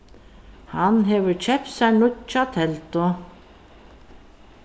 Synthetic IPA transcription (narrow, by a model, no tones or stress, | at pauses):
hanɦɛʋʏɾt͡ɕʰɛp̚t̪sajɳʊtt͡ʃat̪ʰɛlt̪ʊ